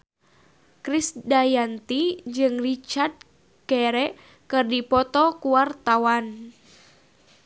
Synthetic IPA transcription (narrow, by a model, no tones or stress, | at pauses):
kɾisdajant̪id͡ʒɨŋrit͡ʃard̪̚ | kɛɾɛ | kɨrdipɔt̪ɔkuwart̪awan